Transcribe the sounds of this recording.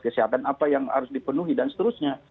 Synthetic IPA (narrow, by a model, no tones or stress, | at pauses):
kəsiɦat̪anapajaŋa̰ɾʊsdipənuɦidansə̥t̪əɾʊsɲa